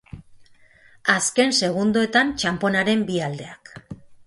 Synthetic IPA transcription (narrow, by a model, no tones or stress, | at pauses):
aske̞nse̞ɣ̞und̪ue̞t̪ant͡ʃampo̞naɾe̞mbiald̪e̞ak